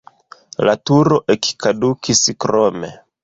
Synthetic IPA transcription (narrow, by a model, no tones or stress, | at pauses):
latuɾoʔeki̥kadukʰiskɾomḛ